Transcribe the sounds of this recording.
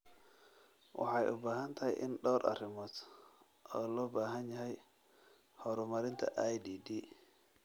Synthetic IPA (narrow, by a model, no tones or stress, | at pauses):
wʔɑ̰ħɑjʔʊbaːɦɐnt̪ʰɐhɛ̰jʔɪ̰nɗɔːɾʔɐ̰rɪmɔːt̪ | ʔɔːlɔːbaːɦɐnjɐɦɛj | hɔɾʊmɐɾɪnt̪ʰɐ̰ʔajdiːdiː